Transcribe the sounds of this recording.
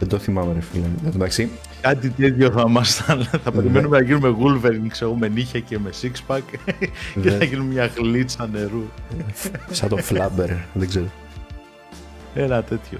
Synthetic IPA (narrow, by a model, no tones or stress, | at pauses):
end̪oθimɐmeɾefilɐnɐðumɐksi | kɐt̪it̪et̪ço̞θɐmɐst̪ɐnθɐpe̞ɾime̞nume̞nɐʝinume̞ɣulveɾiŋɡseɣome̞niçɐceme̞sikspɐkceθɐʝinummɲɐɣlit͡sɐne̞ɾu | sɐt̪oflɐbeɾðeɡzeɾo | enɐt̪e̞t̪ço̰